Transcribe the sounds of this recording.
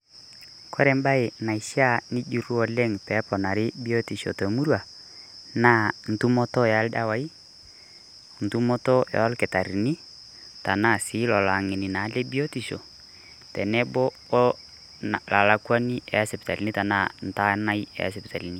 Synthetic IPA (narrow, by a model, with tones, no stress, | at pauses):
kʰɔ˦ɾɛ˨mba˦ɪ˨na˨i˨ʃa˦˨ni˦d͡ʒu˨ɾu˦ɔ˨lɛ˦ŋpɛ˨˦pɔ˨na˨ɾɪ˦bi˦o˦ti˨ʃo̰˨to˨mu˦ɾwa˨ | naː˦˨n̩˨tu˦mɔ˦tɔ˦ja˦lda˦wa˨˦i˦ | n̩˨tu˦mɔ˦tɔ˦ɛ̰˨ɔ˦lkɪ˨ta˨ɾi˨ni˦ | ta˨na˦˨sɪ˨˦lɔ˨la˨ŋɪ˨nɪ˨na˨˦lɛ˦bi˦o˦ti˨ʃo̰˨ | tɛ˨nɛ˦bɔ˦ | la˨la˨˦kwa˦ni˦ʔɛ̰˨a˦sɛ˨pta˨li˨ni˦ta˨na˦˨n̩˨ta˦na˦i˦ɛ̰˨a˦sɪ˨pta˨li˨ni˦